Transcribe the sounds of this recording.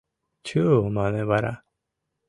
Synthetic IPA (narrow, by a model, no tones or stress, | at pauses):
t͡ɕɨːomaneβaɾa̰